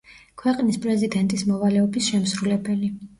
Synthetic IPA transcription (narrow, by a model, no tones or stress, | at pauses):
kʰwɛqʼnispʼɾɛzid̪ɛnt̪ʼismɔvalɛɔbisʃɛmsɾulɛbɛli